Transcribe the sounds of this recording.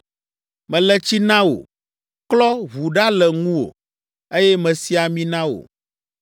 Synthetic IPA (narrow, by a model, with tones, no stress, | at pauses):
mɛ̃˨lɛ˦t͡ɕi˦nã˦wo̰˨ | klɔ˦βu˨ɖa˦lɛ˨ŋũ˦wo̰˨ | e˦jɛ˦mɛ̃˨si˦a˨mĩ˦nã˦wo̰˨